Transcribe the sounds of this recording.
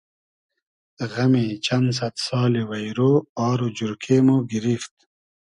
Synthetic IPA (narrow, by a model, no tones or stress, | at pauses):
ɣɐmĩːt͡ɕɐns̬ɐt̪sɑːlewɐjɾoːɑːɾod͡ʑuɾkʰeːmoɡiɾift̪